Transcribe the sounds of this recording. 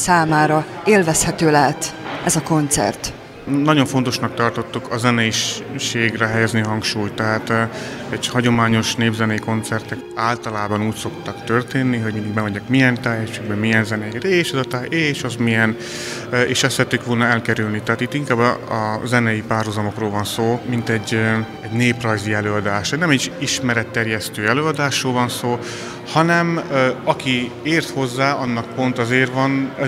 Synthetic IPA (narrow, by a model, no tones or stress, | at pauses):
saːmaːɾɒeːlvɛshɛt̪øːlɛɦɛt̪ɛzɒko̞nt̪sɛ̰rt̪ | nɒɟo̞ɱfo̞nt̪o̞ʃnɒk̚t̪ɒrt̪o̞t̪ːukʰɒzɛnɛjiʃeːɡrɛɦɛjɛzniɦɒŋkʃuːjt̪ɛɦaːt̪ | ɛɟhɒɟo̞maːɲo̞ʃneːbzɛnɛjiko̞nt̪sɛrt̪ɛkaːlt̪ɒlaːbɒnuːcso̞kt̪ɒkt̪ø̞rt̪eːnːiɦo̞ɟmind̪iɡbɛvɛɲɛkmijɛnt̪aːjɛʃeɡbɛmijɛnzɛnɛjɾɛeːʃɛzɒt̪aːeːʃɒzmijɛn | eːʃɛsɛɛt̪ːykʋolnɒɛlkɛɾylnit̪ɛɦaːt̪it̪iŋkaːbːɒzɛnɛjipaːrɦuzɒmo̞kroːlvɒnsoːmint̪ɛɟ | ɛɟneːprɒjziɛløːɒd̪aːʃɛnɛmɛʃiʃmɛɾɛt̪ːɛrjɛst̪øːɛløːɒd̪aːʃroːlvɒnsoː | hɒnɛmɒki | eːrt̪ho̞zːaːɒnːɒk̚po̞nt̪ɒzeːrvɒn